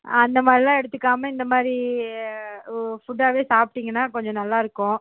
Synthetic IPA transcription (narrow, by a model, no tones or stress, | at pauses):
ɐnd̪ɐmaːd̪ɾilãːɛɽɯt̪ːɯkːaːmɐɪnd̪ɐmaːd̪ɾi | fʊʈːaːʋeːsaːp̚ʈːɪŋɡɐnːaːkɔɲd͡ʒɔ̃nɐlːaːɪɾɯkːʊ̃